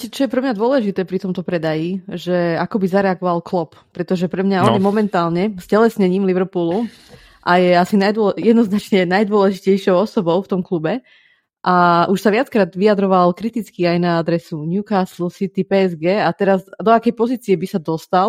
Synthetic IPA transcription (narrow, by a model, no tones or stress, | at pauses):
cɛt͡ʃɔjɛpɾɛmɲad̪ʊɔlɛʒit̪ɛːpɾit̪ɔmt̪ɔpɾɛd̪ajiʒɛakɔbizaɾɛaɡɔʋalklɔp | pːɾɛt̪ɔʒɛpɾɛmɲaɔnjɛmɔmɛnt̪aːlɲɛscɛlɛsɲɛɲiːmliʋɾpulu | ʔajɛasinajd̪ɔjɛd̪nɔznat͡ʃɲɛnajd̪ʊɔlɛʒicɛjʃɔʊɔsɔbɔʊft̪ɔmklubɛ | ʔaʔuʃsaʋɪat͡skɾaːd̪ʋiad̪ɾɔʋalkɾit̪it͡skiajnaad̪ɾɛsuɲjukaslusit̪ipɛːɛzɡɛːat̪ɛɾazd̪ɔakɛjpɔziːt͡siɛbisad̪ɔst̪al